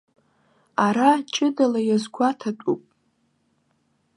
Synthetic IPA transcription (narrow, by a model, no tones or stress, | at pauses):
aɾat͡ʃʼɨdalajazɡʷatʰatʷʼupʼ